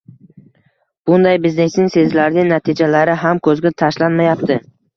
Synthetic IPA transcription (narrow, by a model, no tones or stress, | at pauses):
b̥ʊnd̪ajbɪzne̞snɪŋse̞zlaɾnɪŋnat̪ʰɪd͡ʒalaɾɪɦamkʰɵzɡʲat̪ʰaʃlanmajapt̪ʰɪ